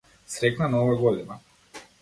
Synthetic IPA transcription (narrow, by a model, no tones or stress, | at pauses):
sɾɛknanaɔvaɡɔd̪ina